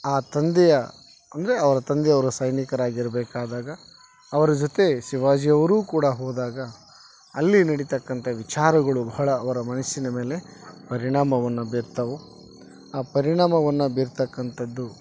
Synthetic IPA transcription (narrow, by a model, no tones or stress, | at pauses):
aːt̪ɐnd̪ɛjɐ | ɐ̰nd̪ɐɾe̞ɐʋɐɾɐt̪ɐnd̪ɛjɐʋɐɾɐsɐjnikɐɾaːɡiɾɐbɛːkaːd̪aːɡɐː | ʋɐɾɐd͡ʒot̪e̞ʃiʋaːd͡ʒijɐʋɐɾuːkuːɽɐɦɔːd̪aːɡɐː | lːinɐɽit̪ɐkːɐnt̪ʰɐʋit͡ʃaːɾɐɡɐɭubɐɦɐɭɐːʋɐɾɐmɐnɐʃinɐme̞ːlepɐɾiɳaːmɐʋɐnːubiːɾt̪ɐʋu | aːpɐɾiɳaːmɐʋɐnːubiːɾt̪ɐkːɐnt̪ʰɐd̪ːu